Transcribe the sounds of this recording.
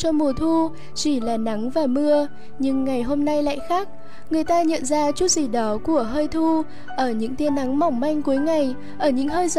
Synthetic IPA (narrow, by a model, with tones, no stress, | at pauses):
t͡ɕɔ˧mu˨˩ət̪ʰu˧ | t͡ɕi˧˩laː˨˩na˨˦ŋvaː˨˩mɨ˧ə | ɲɨ˧ŋːa˨˩jɦo˧mna˧jla̰ː˧˨jxaː˦˥k̚ | ŋɨ˨˩əjt̪aː˧ɲə̰˧˨nzaː˧t͡ɕu˦˥t̚zi˧˩ɗɔ˨˦ku˧˩əɦəː˧jt̪ʰu˧ | ʔəː˧˩ɲɨ̰˧˥ŋt̪i˨˦ənːa˨˦ŋma˨˩wŋ͡mma˧jŋ̟ku˨˦jŋa˨˩j | ʔəː˧˩ɲɨ̰˧˥ŋɦəː˧jz